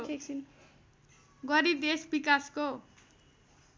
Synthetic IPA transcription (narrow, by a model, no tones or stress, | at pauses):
ɡʌɾid̪esbikasko